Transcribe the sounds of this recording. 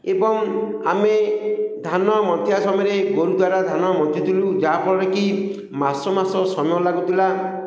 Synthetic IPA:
ebɔŋ | a̰med̪ʱanɔmɔt̪ʰjasɔmɔɾeɡoɾud̪waɾad̪ʱanɔmɔt̪ʰjit̪ʰilud͡ʒapɔɾɔɾeki | masɔmasɔsɔmɔlaɡut̪ʰila

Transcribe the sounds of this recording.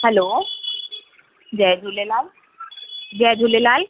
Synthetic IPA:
hɛlo | d͡ʒɛd̪ʱulelal | d͡ʑɛd̪ʱulelal

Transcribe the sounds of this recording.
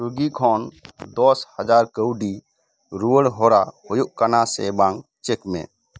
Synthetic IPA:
ɾuɡikʰɔnd̪ɔshəd͡ʒaɾkəwɖi | ɾuəɽɦɔɾahojuʔkanasɛ̰baŋ | t͡ʃekmḛ̃

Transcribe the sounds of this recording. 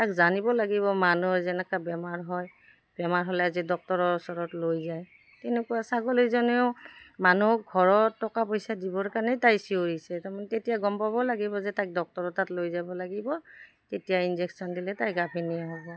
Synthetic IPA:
takzanibɔlaɡiβɔmanuɹzɛnɛkabɛmaɹɦɔj | bɛmaɹɦɔlɛazidɔk̚tɔɹɔɔsɔɹɔtlojzaj | tɛnekuwasaɡolizɔneʊmanuɡʱɔɹɔtːɔkapojsadibɔɹkaɹnɛtajsioɹisɛtaɹmanɛtetijaɡɔmpabɔlaɡibɔzɛtajk̚dɔk̚tɔɹɔtatlojzabɔlaɡibɔ | tetijainzeksɔndilɛtajɡapʰinijaɦɔbɔ

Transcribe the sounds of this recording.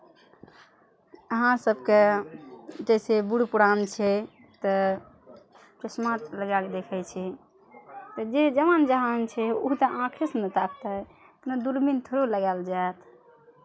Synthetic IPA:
əɦãsəbke | d͡ʒəsebuɽpuɾant͡ʃʰɛ | t̪ə | pɾesmat̪ləɡaked̪ekʰɛt͡ʃʰɛ | t̪əd͡ʒed͡ʒəmand͡ʒəɦant͡ʃʰɛuɦt̪əãkʰisnət̪akʰt̪ə | knəd̪uɾmint̪ʰoɾoləɡald͡ʒaet̪ʰ

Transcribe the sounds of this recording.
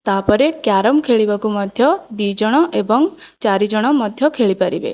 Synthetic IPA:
t̪apɔɾekjaɾɔmkʰeɭibakumɔd̪ʱjɔd̪id͡ʒɔɽ̃ɔʔebɔŋt͡ʃaɾid͡ʒɔɽ̃ɔmɔd̪ʱjɔkʰeɭipaɾḭbḛ

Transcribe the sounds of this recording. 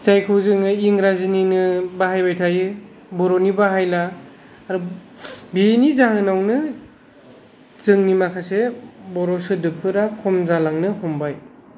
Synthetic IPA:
zajkʰɯwzɯŋɯiŋɾazininɯbaɦajbajtʰajɯ | bɔɾɔnibaɦajlaː | ɾu | binizaɦɯnawnɯ | zɯŋnimakʰasebɔɾɔsɯdɯpʰɯɾakʰɔmzalaŋnɯhɔmbaj

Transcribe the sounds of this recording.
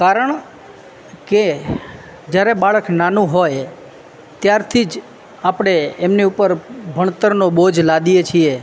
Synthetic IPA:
kaɾəɳ̃ | ke | d͡ʒjaɾebaɭəknanũɦoj | t̪jaɾt̪ʰid͡ʒ | apɽ̃eemniupəɾbʱəɳt̪əɾnobod͡ʒlad̪ijet͡ʃʰie

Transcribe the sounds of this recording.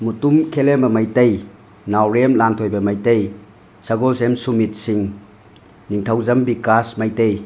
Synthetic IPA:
mutumkʰelembɐmajtej | nawɾemlantʰojbɐmajtej | saɡolsemsumit̚siŋ | niŋtʰawzɐmbikasmajtej

